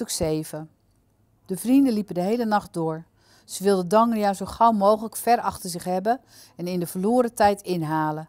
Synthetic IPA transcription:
øksejvə | dəvrindəlipədəɦejlənɑχt̚dʊːɹ | z̥əʋɪlˠdədɔŋənjazowχawmowχələkfɛrɑχtəɹzɪχɦɛbə | ɛnɪndəvəloːɾətɛjtʰɪnɦaːlə

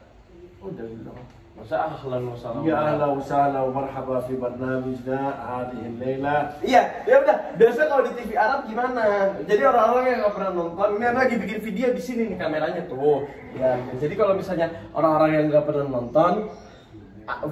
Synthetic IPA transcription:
udahɡit̪u | masaaahlanusaɡaahlausalaumarhabafibarnamad͡ʒnahadiɦɪlːejlaijadiaudabiasakaladit̪ifiaɾap̚ɡimanad͡ʒadioɾaŋoɾaŋjaŋapərnanmɔnt̪ɔniniapaɡibik̬ɪnfideadisininɪkameɾaɲat̪ʊ | diakand͡ʒadikalomisalɲaʔo̰ɾaŋoɾaŋjaŋɡapərnanmɔnt̪ɔn

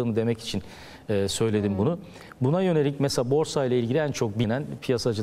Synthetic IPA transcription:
ɯːnɯd̪e̞mɛci̥t͡ʃʰin | ɛːsø̞jlʲe̞d̪imbunu | bunajø̞ne̞lʲic̚mɛselaːbo̞ɾsajlˠailʲɟilʲiænt͡ʃʰo̞k̚binænpʰijasad͡ʒɯ

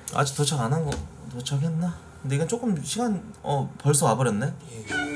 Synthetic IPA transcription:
a̰d͡ʑik̚t͈ot͡ɕʰaɡanɦanɡʌtot͡ɕʰakɦenːakkɯnde̞iɡent͡ɕ͈ok͈ɯmɕʰiɡanʌpʌɭs̬͈oabʌɾenːe

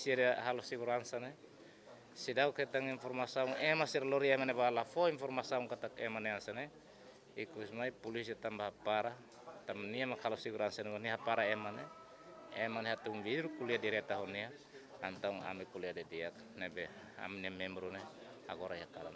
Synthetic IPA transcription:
siadeaɦalosiɡuɾansane | sidauket̪aŋiɱformasauŋemasiɾaloɾiemaneβalafoinfoɾmasauŋkat̪akemaneansane | ikuismajpulis̬iat̪ambahapaɾa | t̪amniamakhalosiɡuɾansanewaniɦapaɾaemane | emaneɦat̪uŋbiɾukuliadiɾet̪aɦonia | ant̪auŋa̰mikuliadediak̚ | nebe | a̰mniamembɾune | a̰ɡoɾajakaɾa̰n

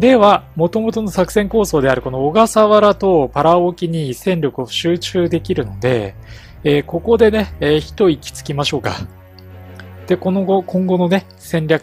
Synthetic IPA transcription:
d̪e̞βamo̞t̪o̞mo̞t̪o̞no̞sakɯ̟̥sẽ̞ŋko̞ːso̞ːd̪e̞aɾɯ̟ko̞no̞ːɡasaβaɾat̪o̞paɾaokʲiɲ̟isẽ̞nʲɾʲo̞kɯ̟o̞ɕɨːt͡ɕɨːd̪e̞kʲiɾɯ̟no̞d̪e̞̰ː | ko̞ko̞d̪e̞ne̞çi̥t̪o̞ikʲi̥t͡sɨ̥kʲimaɕo̞ːka̰ | d̪̥e̞ko̞no̞ɡo̞kʰõ̞ŋɡo̞no̞ne̞ | sẽ̞nɾʲakɯ̥

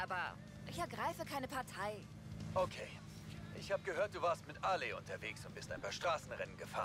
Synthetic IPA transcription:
ʔaːbɐ̰ | ʔɪçɛɐɡʁaɪfəkʰaɪnəpʰaɐtʰaɪ | ʔokʰeː | ʔɪçhaːbəɡəɦøːɐt̚d̥uːvaːɐstmɪtʔaːleʔʊ̰ntʰɐveːksʊnt̚b̥ɪstaɪnpaːɐʃtʁ̥aːsn̩ʁɛnənɡəfa̰ːn

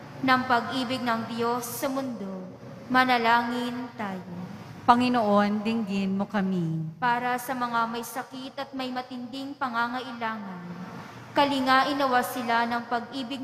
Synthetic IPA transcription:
nɐŋpɐɡʔiːbɪɡ̚nɐŋd̪jo̞sːɐmʊnd̪o̞ | mɐnɐlaːŋɪnt̪aːjo | pɐŋɪnoʔond̪ɪŋɡɪnmokɐmipaːɾɐsɐmɐŋamɐjsɐkit̪ɐt̪̚mɐjmɐt̪ɪnd̪ɪŋpɐŋaŋɐʔɪlaːŋɐn | kɐlɪŋaʔɪnɐwasɪlanɐŋpɐɡʔiːbɪɡ̚

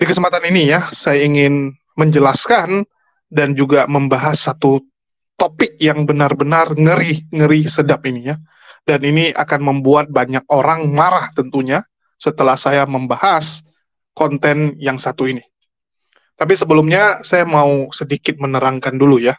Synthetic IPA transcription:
dikəsəmpat̪aninijasajaiŋɪn | məɲd͡ʒəlaskan | dand͡ʒuɡaməmbaɦasːat̪u | t̪opɪk̚jaŋbənarbənarŋəɾiŋəɾisədapinija | daniniʔa̰kanməmbuat̪̚baɲak̚oɾaŋmaɾaht̪ənt̪uɲa | sət̪əlahsajaməmbahas | kɔnt̪ɛnjaŋsat̪uini | t̪ap̬isəbəlumɲasajamausədikɪt̪̚mənəɾaŋkanduluja

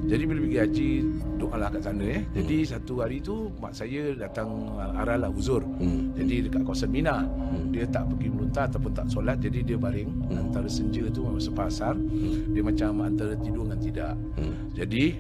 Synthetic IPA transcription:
d͡ʒadibiləbəɡiad͡ʒidoʔalahkaʔsanəjad͡ʒadisat̪uɦaɾit̪uma̰ʔsajədat̪aŋ | a̰ɾahlahuzʊrd͡ʒadidəkaʔkawasanminadiət̪aʔpəɡibəlunt̪aat̪awpʊnt̪a̰ʔsolat̪̚d͡ʒadidiəbaɾɪŋ | ant̪aɾəsəɲd͡ʒət̪umemamsəpasardiəmat͡ʃamant̪aɾət̪idʊŋant̪idaʔ | d͡ʒadi

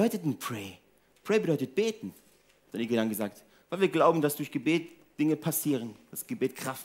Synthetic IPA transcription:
dɔʏtətn̩pʁ̥ɛː | pʰʁ̥ɛːbədɔʏtət̚b̥eːtn̩ | d̥aniːɡədanɡəzaːkt | vaɪlviːɐɡlaʊbm̩dasd̥ʊɐçɡ̥əbeːt | d̥ɪŋəpʰasiːʁənd̥asɡ̥əbeːtkʁ̥aft

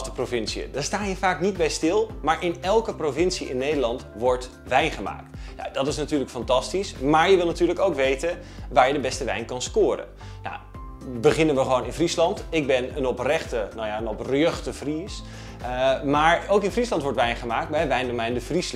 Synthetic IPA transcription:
dəprovɪnsiə̰daːstaːniːɹvaːknidbɛjstɪlˠmaːɹʔɪnɛlˠkəprovɪnsiʔɪ̰nːejdəlɑntʋɔɹt | ʋɛjnχəma̰ːk̚tja̰dɑtɪsnatyːɹləkfɑntɑstismaːɹjəʋɪlˠnatyːɹləkowkʋejtən | ʋaːɹjədəbɛstəʋɛ̰jnkɑnskʊːɾə̰n | na̰w | bəχɪnənʋəχəʋownɪnfrislɑntɪɡ̚bɛnənɔprɛχtənawjaənɔprəøχtəvris | maːɹowkɪnfrislɑntʋɔɹtʋɛjnχəmaːk̚t̚bɛjʋɛjndomɛjndəvris

